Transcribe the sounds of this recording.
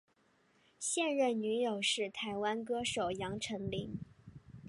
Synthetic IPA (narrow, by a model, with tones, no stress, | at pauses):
ɕjɛ˥˧nɻə˥˩nny˧˥jo˨˩ʊʂɻ̩˥˩t̪ʰa˧˥ɪwa˥nk̬ɤ˥ʂo˨˩ʊjɑ˧˥ŋʈ͡ʂʰɤ˧˥ŋli˧˥ŋ